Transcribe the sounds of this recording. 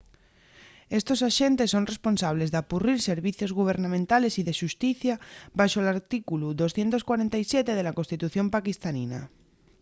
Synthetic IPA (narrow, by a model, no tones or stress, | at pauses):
e̞st̪o̞saʃe̞nt̪e̞sːo̞nre̞spo̞nsaβ̞le̞zðapuriɾse̞ɾβiθjo̞zɣuβ̞e̞ɾnãmẽnt̪ale̞siðeʃust̪iθjaβaʃoelaɾt̪ikuluðo̞sθjent̪o̞skwaɾent̪aisjet̪e̞ðe̞lakonst̪it̪uθjo̞mpakist̪anina̰